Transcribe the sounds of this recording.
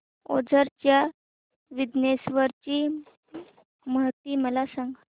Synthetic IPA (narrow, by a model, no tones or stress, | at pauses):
o̰d͡zʱəɾt͡ɕja | ʋid̪nesʋəɾt͡ɕiː | məɦt̪ːiːməlasãŋɡ